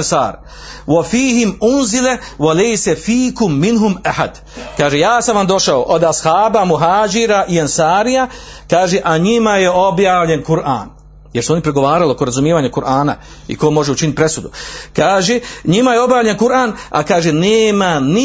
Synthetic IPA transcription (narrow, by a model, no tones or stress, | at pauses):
nsa̰ːɾ | wafiːɦimunzilewalejsefiːkʊmːinɦumaħa̰d̪ | kaːʒeːjaːsamʋamd̪o̞ʃaoʔod̪ashaːbamuɦaːd͡ʒiɾaʔiansaːɾija | kaːʒeʔaɲimajeo̞bjaːʋʎe̞nkuɾʔa̰ːn | jeɾsuo̞nipɾeɡo̞ʋaːɾalokoɾazumjeʋaːɲakuɾʔaːna̰ | ḭkomo̞ʒeut͡ʃinit̪̚pɾe̞sud̪ukaːʒeɲimajeo̞bjaːvʎenkuɾaːna̰kaːʒeneːmani